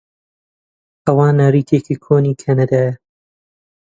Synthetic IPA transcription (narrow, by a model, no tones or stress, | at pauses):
ɐwaːnaːɾiːkʰeːkiːkʰoːniːkʰanad̪aːjɐ